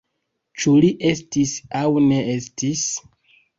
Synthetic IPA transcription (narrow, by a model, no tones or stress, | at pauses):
t͡ʃuliʔe̞stisawne̞e̞stis